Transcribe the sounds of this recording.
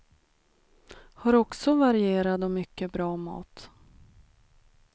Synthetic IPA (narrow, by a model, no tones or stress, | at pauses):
haɾɔksɔvaɾɪeːɾad̪ɔmʏkːəbɾɑːmɑ̰ːt̪